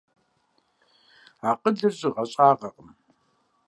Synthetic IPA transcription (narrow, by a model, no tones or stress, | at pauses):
aːqədɨrʑʼɪʁɐɕʼaːʁɐqʼəm